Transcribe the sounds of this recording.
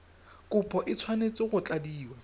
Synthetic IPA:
kʼʊpʰʼɔʔɪt͡sʰwanet͡sʼɪɣʊt͡ɬʼadiːwa

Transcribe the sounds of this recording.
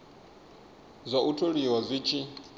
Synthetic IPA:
zʷaʔutʰoɺiwazʷit͡ʃʰi

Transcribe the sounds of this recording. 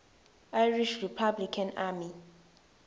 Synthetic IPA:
ajɹiʃripʰablikʰanami

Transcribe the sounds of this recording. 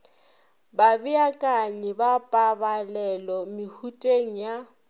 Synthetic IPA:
babɪakʼaɲɛbapʼabalɛlɔmɪhutʼeŋ̩ja

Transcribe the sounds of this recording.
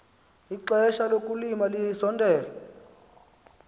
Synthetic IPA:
iǃɛʃalokʼulimalihisɔndʱɛːlɔ

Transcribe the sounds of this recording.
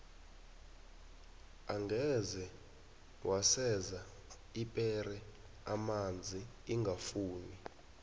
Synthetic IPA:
aŋɡʱɛzɛ | wʔasɛza | ipʼɛrɛ | amand͡zʱi | iŋɡʱafuːni

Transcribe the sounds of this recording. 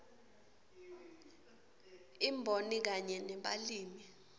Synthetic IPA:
imbʱonik̬aɲɛnɛɓaliːmi

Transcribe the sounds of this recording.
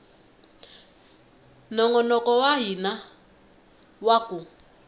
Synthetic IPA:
nɔŋɔnɔkɔwaɦina | wakʼu

